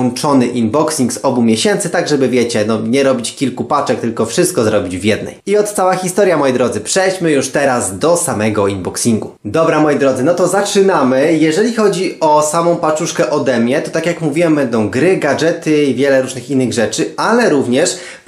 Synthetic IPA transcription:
ɔnt͡ʂɔnɘʔinbɔksʲiŋksɔbumʲjɛɕɛnt̪sɘt̪aɡʐɛbɘvʲjɛt͡ɕɛnɔɲɛɾɔbʲit͡ɕkʲilkupat͡ʂɛk̚t̪ɘlkɔfʂɘst̪kɔzɾɔbʲid͡ʑvjɛd̪nɛ̰jiɔt̪̚t̪sawaxʲist̪ɔɾjamɔjid̪ɾɔd̪zɘpʂɛjt͡ɕmɘjuʂt̪ɛɾazd̪ɔsamɛɡɔinbɔksʲiŋɡud̪ɔbɾamɔjid̪ɾɔd̪zɘnɔt̪ɔzat͡ʂɘnamɘjɛʐɛlʲixɔd͡ʑiɔsamɔ̃w̃pat͡ʂuʂkɛʔɔd̪ɛmʲjɛt̪ɔt̪akʲjakmuvʲiwɛmbɛnd̪ɔ̃w̃ɡɾɘɡad͡ʐɛt̪ɘivʲjɛlɛɾuʐnɘxinːɘɣʐɛt͡ʂɘalɛɾuvɲɛʂ

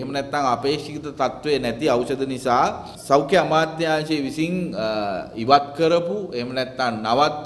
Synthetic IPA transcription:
ɦemnɛt̪ːãnapeːkʂikit̪ɐt̪at̪ʋenɛt̪iɐwɕɐd̪ʱɐnisaː | sɐwkʰjeɐmaːt̪ːãːt͡ʃeʋisiŋ | iʋat̪kəɾɐpuemnɛt̪ːannaʋat̪

